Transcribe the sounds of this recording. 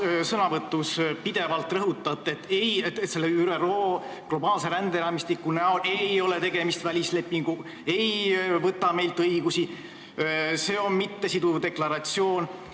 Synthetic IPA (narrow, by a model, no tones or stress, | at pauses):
sɤnɑvɤt̪ːˑuspid̪̥e̞vɑlt̪ːrɤɦut̪ːˑɑt̪ːˑe̞t̪ːˑejet̪t̪se̞lːeyɾero̞ː | ɡ̥lo̞bɑːlse̞ɾænd̪eɾɑːmist̪ikːˑunæole̞jo̞le̞t̪e̞ɡe̞mist̪vælʲisle̞pːiŋɡ̥u | e̞jvɤt̪ːɑme̞jlt̪ˑɤiɡ̥usi | se̞ːo̞nmit̪ːe̞sid̪ud̪e̞klɑɾɑt̪sio̞ːn